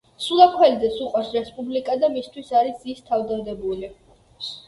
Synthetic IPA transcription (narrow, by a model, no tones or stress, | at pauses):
sulˠakʰwɛlid̪zɛsuqʼaɾsɾɛspʼublikʼad̪amist̪ʰwisaɾisist̪ʰavd̪ad̪ɛbuli